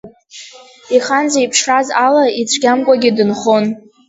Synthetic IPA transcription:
iχanzaipʰʂrazalait͡sʷʰɡʲamkʷʼaɡʲɪdɨnχon

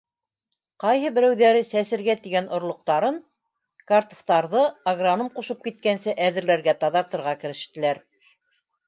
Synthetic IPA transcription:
qɑjɦɤbɘ̆ɾæwðæɾɘsæsɘ̆ɾɡæt̪iɡænŏɾlˠŏq̚t̪ɑɾɤɴ | kart̪ŏ̥ft̪ɑɾðɤaɡranomquʃɤp̚kit̪̚kænsɘʔæðɘ̆ɾlæɾɡæt̪ɑðɑɾt̪ɤ̆ɾʁɑkɘ̆ɾɘ̆ʃt̪ɘ̆læɾ

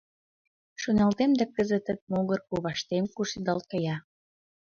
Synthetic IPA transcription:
ʃonɑlt̪emd̪ækəzĕt̪ət̪̚noɣərkoβɑʃt̪emkuʃid̪ɑlkɑjɑ

